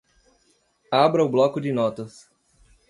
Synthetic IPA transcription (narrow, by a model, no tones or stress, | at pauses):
abɾɐʊblɔkʊd͡ʒɪnɔt̪ɐs